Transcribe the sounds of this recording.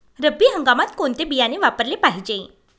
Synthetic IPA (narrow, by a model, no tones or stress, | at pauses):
ɾəbʱiːɦəŋɡamat̪koɳt̪ebijaneʋapəɾlepaɦid͡ʑe